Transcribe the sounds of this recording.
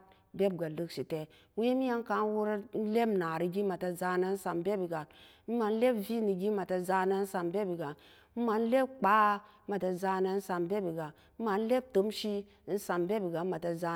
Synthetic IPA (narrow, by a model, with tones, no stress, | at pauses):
be˦b̚ɡa˨lu˦ksi˨te˨ | we˦mi˦ja˦ŋ˦ka˨˦n˦wu˦ɾa˦n̩˦le˦mna˨ɾi˨ɡi˦ma˨ta˨za˦na˦n̩˦sa˨mbe˦bi˨ɡa˨n˦ | m̩˦ma˨n̩˦le˦bvi˦ni˨ɡi˦ma˨ta˨za˦na˦n̩˦sa˨mbe˦bi˨ɡa˨˦ | m̩˦ma˨n̩˦le˦b̚k͡pa˨˦ | ma˨ta˨za˦na˨˦n̩˦sa˨mbe˦bi˨ɡa˨ | m̩˦ma˨n̩˦le˦b̚to˨˦mʃi˦ | n̩˦sa˨mbe˦bi˨ɡa˨ma˨ta˨za˨˦